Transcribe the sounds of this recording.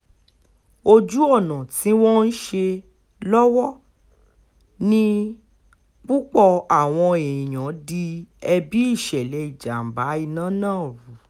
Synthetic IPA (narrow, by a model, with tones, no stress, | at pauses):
o˧d͡ʒu˦ɔ˦˨nã˨ti˨˦wɔ̃˦n̩˦ʃe˧ | lɔ˦wɔ˦ | nĩ˦ | k͡pu˦k͡pɔ˧a˨w̃ɔ̃˧e˨j̃ã˨˦di˧ɛ˧bi˦i˦˨ʃɛ˨lɛ˨˦i˦˨d͡ʒa˨m̩˨ba˨˦i˦˧˨nãː˦˨˦nãː˦˨ɾu˨˦